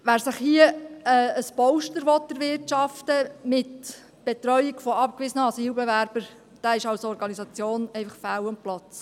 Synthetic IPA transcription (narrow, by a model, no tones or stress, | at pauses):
ʋæːɾsəχhiəɛəspɔwʃtəɾʋɔt̪dəɾʋɪɾtt͡ʃɑftəmɪt | b̥et̪ɾœʏɪkfɔɑpkʋɪsənəɑsiːwbɛʋæɾb̥əɾ | d̥æːɪʃɑwsɔɾɡɑnisɑt͡sjoːnɛɪfɑχfæwʊmplɑt͡s